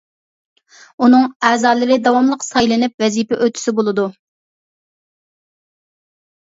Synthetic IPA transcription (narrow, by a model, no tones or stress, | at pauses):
unɨŋæːzɑːlˠɨɾɪd̪ɑwɑmlˠəqsɑjlˠɨnɪp̚vɛzipɛʔøt̪ʰy̥sɪbolˠɨd̪u